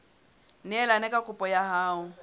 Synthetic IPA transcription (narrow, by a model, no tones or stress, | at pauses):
nɪɛlanɛkʼakʰʼʊpʼɔjaɦaːʊ